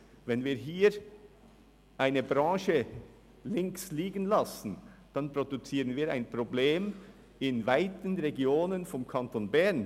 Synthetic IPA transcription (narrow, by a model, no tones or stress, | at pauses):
vɛnviːɦiːɾ | ʔaɪnəbʁɑ̃ːʃə | lɪŋksliːɡənlɑsn̩d̥ɑnpɾ̥odut͡siːʁənviːɾa̰ɪnpʁ̥obleːm | ɪnvaɪtənʁeɡjoːnənfɔmkʰɑntonbɛɐn